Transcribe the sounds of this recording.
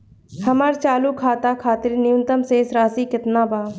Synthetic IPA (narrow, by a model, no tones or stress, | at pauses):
həmaːɾt͡ʃaːluːkʰaːt̪aːkʰaːt̪ɪlinɪjʊnt̪əmseːsɾaːsiːkɪt̪nãːbaː